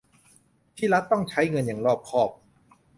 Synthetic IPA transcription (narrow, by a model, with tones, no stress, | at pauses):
t̪ʰiː˥˩ɾa˦˥t̪ːɔ˥˩ŋt͡ɕʰa˦˥jŋɤ˧njaː˨˩ŋɾɔː˥˩p̚kʰɔː˥˩p̚